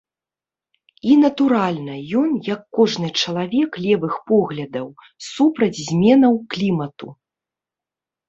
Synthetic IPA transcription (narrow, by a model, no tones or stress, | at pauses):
inɐt̪uɾalʲnɐjɔnjɐkːɔʐnɨt͡ʂɐlˠavʲɛklʲɛvɨxpɔɣlʲɐd̪ɐw | supɾɐd͡zʲzʲmʲɛnɐwklʲimɐt̪u